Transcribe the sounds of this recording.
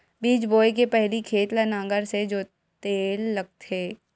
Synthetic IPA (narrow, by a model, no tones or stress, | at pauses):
biːt͡ʃboːjk̬epɛɦlikʰeːt̪lanãːŋɡəɾsed͡ʒoː | t̪eːlːɐɡ̚t̪ɦeː